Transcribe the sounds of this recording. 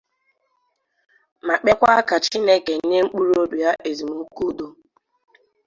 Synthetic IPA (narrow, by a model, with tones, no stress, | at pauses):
ma˨k͡pe˦kʷa˦ka˨t͡ʃi˦ne˦ke˨n̩˦ne˦ŋ͡m̩˦k͡pu˦ɾo˦du˨ja˦ʔe˨zi˨mu˦ku˦˨˦do˦